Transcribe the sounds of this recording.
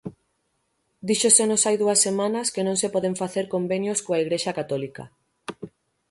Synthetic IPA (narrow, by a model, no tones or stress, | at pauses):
d̪iʃosenosajðuɐsːemãnɐskenõŋsepɔðeɱfaθeɾkombenjoskoaiɣ̞ɾeʃɐkat̪ɔlikɐ̰